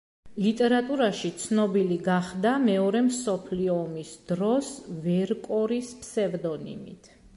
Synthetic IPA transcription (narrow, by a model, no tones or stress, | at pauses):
lit̪ʼɛɾat̪ʼuɾaʃit̪sʰnɔbiliɡaχd̪amɛɔɾɛmsɔpʰliɔːmisd̪ɾɔsvɛɾkʼɔɾispʰsɛvd̪ɔnḭmḭt̪ʰ